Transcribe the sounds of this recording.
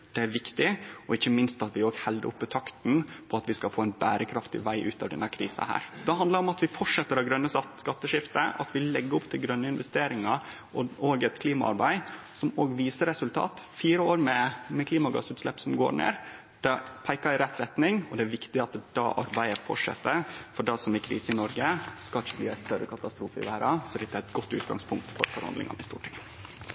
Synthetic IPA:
d̪̥ɛæɾʋɪkt̪ɪɔɪçːəmɪnst̪ɑt̪ʋɪoːɡhɛld̪ə̰ɾʊpːət̪ʰɑkt̪npʰɔɑt̪ʋɪskɑfoːɛɪnbæːɾəkʰɾɑft̪ɪ̰ʋæɪʔʉ̰ːt̪ɑʋd̪ɛ̰nːəkʰɾiːsɑ̰hæ̰ːɾd̪ɛɦɑnd̪lɑɾɔmɑt̪ʋɪfɔʈʂɛt̪ːəɾɑɡɾœnːəsɑt̪skɑt̪ːəʂɪft̪əʔɑ̰t̪ʋɪlɛɡːəɔpt̪ʰɪlɡɾœnːəɪnʋɛst̪eːɾɪŋɑ | ʔɔoːɡɛt̪kʰliːmɑ̰ʔɑ̰ɾbæɪ | sɔmoːɡʋiːsəɾɛsʉlt̪ʰɑ̰ːt̪fiːɾəoːɾmɛmɛkʰliːmɑɡɑ̰sʉːt̪slɛpːsɔmɡo̰ːɾɳḛːɾ | d̪̥ɑpʰæɪkɑɾɪɾɛt̪ːɾɛt̪nɪŋɔd̪ɛæɾʋɪkt̪ɪɑt̪̚d̪̥ɑ̰ːʔɑ̰ɾbæɪəfɔ̰ʈʂɛ̰t̪ːəɾfɔɖɑsɔmɪkʰɾḭːsəɪnɔɾɡəskɑlçbliːæɪst̪œɾːə̰kʰɑt̪ɑst̪ɾuːfəɪ̰ʋæːɾɑsɔɛd̪ɪt̪̚d̪ɛæɾɪt̪ɡɔt̪ːʉːt̪ɡɑ̰ŋspʰʊŋk̚t̪fɔ̰ɾfɔɾhɑ̰nd̪ɪ̰ŋɑ̰nəɪst̪ṵːʈɪŋ

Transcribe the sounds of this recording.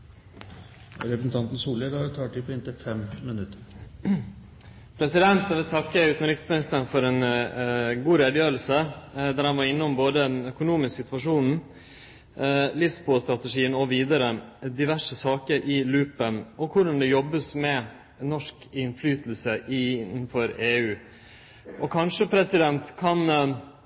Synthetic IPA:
ɾɛpɾəsn̩t̪ɑnt̪n̩suːləɾɑt̪ʰɑːʈʰipʰɔɪnt̪ɪfɛmmɪnʉt̪ːəɾ | pʰɾɛsɪd̪ɛnt̪ɑʋɪlt̪ʰɑkːəʉːt̪n̩ɾɪksmɪnɪst̪ənfɔɾɛn | ɡuːɾeːd̪əjøːɾl̩səd̪æɾhɑnʋɑɾɪnːəʊmboːd̪ənœkʊnuːmɪsksɪt̪ʋɑʂuːnn̩ | lɪsbost̪ɾɑt̪ɛʂiːənɔʋiːd̪əɾəd̪ɪʋæʂəsɑːkəɾʔɪlʉːpənɔkʰʊɖɑnd̪ɛjɔbːəsmɛ | nɔʂkɪnflyːt̪l̩səʔɪn̩ːfɔɾeːʉː | ʔɔkʰɑnʂəpʰɾɛsɪd̪ɛnt̪kʰɑn

